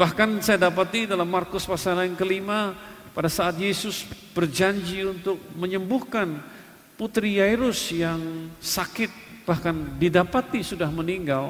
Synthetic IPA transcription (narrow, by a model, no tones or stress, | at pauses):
b̥ahkansajadap̬at̪idalamːarkʊspasanlaŋkəlimapadasaːt̪̚jesʊs | b̥ərd͡ʒaɲd͡ʒiunt̪ʊk̚məɲəmbʊhkan | put̪ɾiajɾʊsjaŋsakɪt̪̚b̥ahkandidapat̪isudahməniŋɡal